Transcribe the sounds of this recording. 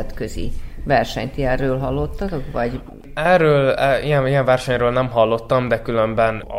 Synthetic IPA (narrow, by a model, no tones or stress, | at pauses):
ɛt̪køzḭvɛrʃɛ̰ɲt̪iɛrːøːlɦɒlːo̞t̪ːɒt̪o̞kʋɒɟ | ɛrːøːlɛijɛnijɛɱvɛrʃɛɲrøːlnɛmɦɒlːo̞t̪ːɒmd̪ɛkylømbɛn̰